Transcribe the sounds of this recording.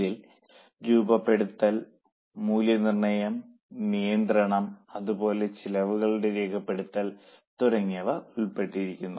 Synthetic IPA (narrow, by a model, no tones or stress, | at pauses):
ðil | ɾuːbɐpːe̞ɽut̪ːɐl | muːljɐnirɳɐjɐm | nijɐnd̪rɐɳɐmɐðubo̞ːle̞t͡ɕilɐʋuɣɐɭuɽe̞ɾeːkʰɐpːe̞ɽut̪ːɐl | t̪uɾɐŋːɐʋɐuɭpe̞ʈːiɾikʲːunːu